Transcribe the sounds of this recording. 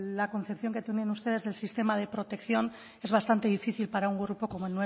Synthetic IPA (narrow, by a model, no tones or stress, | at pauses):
lako̞n̟θe̞pθjo̞ŋke̞t̪eunenust̪e̞ðe̞zðe̞lsist̪e̞mað̞e̞pɾo̞t̪e̞kθjo̞n | e̞zβ̞ast̪ant̪e̞ð̞ifiθilpaɾauŋɡɾupoko̞moelnːwe